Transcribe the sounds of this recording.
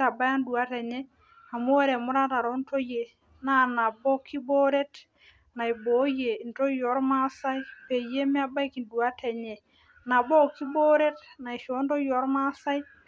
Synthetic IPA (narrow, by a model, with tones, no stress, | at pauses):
ta˨ba˦ja˦ndu˨a˦tɛ˨ɲɛ˦ | a˨mo˦wɛ˦ɾɛ˨mʊ˦ɾa˦ta˨ɾɔ˦ntʰo˦je˨ | na˦na˨bɔ˦kʰi˦bo˦ɾe˦t | na˨i˨bo˨˦je˨nto˦jɔ˨˦ɾma˦sa˦i˦pe˨je˦mɛ˦a˦ba˦jki˨ndu˨a˦tʰɛ˨ɲɛ˨ | na˨bɔ˦˨ki˦bo˦ɾe˦tna˨i˨ʃo˨˦ntɔ˦jɔ˨˦ɾma˦sa˦j